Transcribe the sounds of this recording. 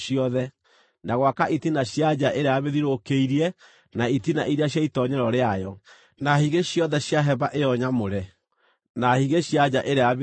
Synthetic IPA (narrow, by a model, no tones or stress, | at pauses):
ʃiɔðɛ | naɣwakaʔitinaɕjad͡ʑaʔeɾeaβeðiɾokeiɾiɛ | naitina̰ʔiɾiaɕ̬jaitɔɲɛɾɔɾeajɔ | nahiɣeɕjɔðɛɕjaɦɛβaʔejɔɲamoɾɛ | nahiɣeɕjad͡ʑaʔeɾeaβe